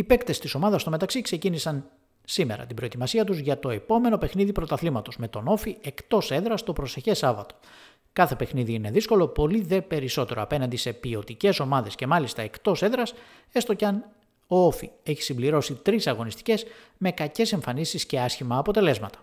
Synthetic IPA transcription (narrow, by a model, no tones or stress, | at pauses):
ipe̞kt̪e̞st̪iso̞mɐðɐst̪o̞met̪ɐksikse̞cinisɐn | sime̞ɾɐ̰t̪ibɾo̞et̪imɐsiɐt̪uzʝɐt̪o̞e̞po̞me̞no̞pe̞xniðipɾo̞t̪ɐθlimɐt̪o̞zme̞t̪ono̞fie̞kt̪o̞se̞ðɾɐst̪o̞pɾo̞se̞çe̞sɐvɐt̪o̞̥ | kɐθe̞pe̞xniðiine̞ðisko̞lo̞po̞liðe̞pe̞ɾiso̞t̪e̞ɾo̞ɐpe̞nɐnd̪ise̞pio̞t̪ice̞so̞mɐðe̞sce̞mɐlist̪ɐe̞kt̪o̞se̞ðɾɐs | e̞st̪ocɐn | oofie̞çi̥simbliɾo̞sit̪ɾisɐɣo̞nist̪i̥ce̞z | me̞kɐce̞se̞ɱfɐnisisce̞ɐsçimɐːpo̞t̪e̞le̞zmɐt̪ɐ̥